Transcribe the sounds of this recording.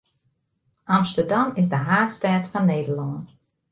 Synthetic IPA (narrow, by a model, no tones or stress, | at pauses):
ʔɑmstəɹdɑmɪsdəɦaːtstɛːtfɔnːeːdəɹlɔn